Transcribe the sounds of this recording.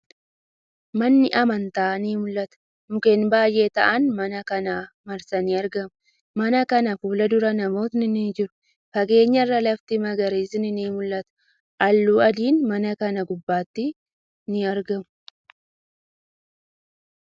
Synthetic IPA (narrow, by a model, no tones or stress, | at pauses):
mɐnːɪʔɐmɐnt̪aːniːmʊlːɐt̪ɐ̥ | mʊkeːnbaːjʔe̞ːt̪ɐ̰ʔɐnmɐnɐkɐnaː | mɐɾsɐnɪɐɾɡɐmʊ | mɐnɐkɐnɐfuːlɐd̪ʊɾɐnɐmo̞ːt̪nɪnid͡ʒɪɾʊ̥ | fɐɡe̞ːɲːɐrːɐlɐft̪ɪmɐɡɐɾeːsɪnɪniːmʊlːɐt̪ɐ̥ | ʔɐlːuːɐd̪iːnmɐnɐkɐnɐɡʊbːaːt̪ːɪ | nɪɐɾɡɐmʊʊ̥